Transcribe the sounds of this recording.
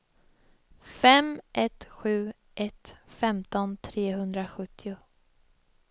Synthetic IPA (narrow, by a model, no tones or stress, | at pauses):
fɛmʔɛt̪ɧʉ̟ː | ʔɛt̪fɛmt̪ɔnt̪ʰɾeːɦɵnd̪ɾaɧɵt̪ʰːɪʊ